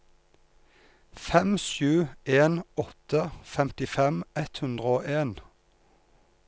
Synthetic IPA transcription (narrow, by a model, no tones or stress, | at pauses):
fɛmʃʉːeːnɔt̪əfɛmt̪ɪfɛmɛt̪hʉnd̪ʁəoːʔeːn